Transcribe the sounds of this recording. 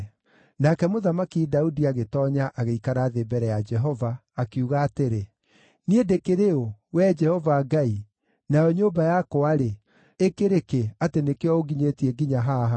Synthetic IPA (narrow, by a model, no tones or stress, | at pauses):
nakɛmoðamakidaudiaɣetɔːɲaʔaɣeikaɾaːðebɛɾɛjad͡ʒɛɦɔvaːkeuɣaːteɾe | niedekeɾeowɛd͡ʒɛhɔvaːɡai | najɔɲoːbajakoaɾe | ekeɾekeatenekeɔoɡiɲetiɛɡiɲaɦaɦa